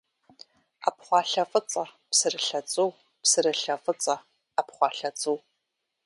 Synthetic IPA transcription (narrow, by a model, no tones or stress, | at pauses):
a̰pχʷɑːɬɐfʼɨt͡sʼɐpsɨrɨɬɐt͡sʼɨw | psɨrɨɬɐfʼɨt͡sʼɐ | apχʷɑːɬɐt͡sʼɨw